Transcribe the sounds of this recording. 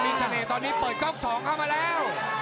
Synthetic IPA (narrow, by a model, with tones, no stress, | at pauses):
miː˧sa˧neː˨˩t̪ɔː˧nːiː˦˥pəː˨˩t̪̚kɔ˥˩p̚sɔː˩˦ŋkʰaː˥˩wmaː˧lɛː˦˥w